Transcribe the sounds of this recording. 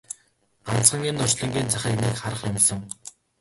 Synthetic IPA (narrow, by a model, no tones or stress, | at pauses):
ɢ̥ant͡sɢə̆ŋinʊr̥t͡ɕɮĭŋɡʲiːnt͡saχʲiːkniːkχaɾə̆χjʊmsə̆ŋ